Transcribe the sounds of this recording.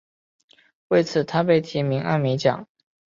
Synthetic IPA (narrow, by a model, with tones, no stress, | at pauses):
we˥˩ɪt͡sʰɹ̩˨˩t̪ʰa˥p̬e˥˩ɪt̪ʰi˧˥mi˧˥ŋʔa̰˥˧nmi˧˥t͡ɕjɑ̰˨˩˦ŋ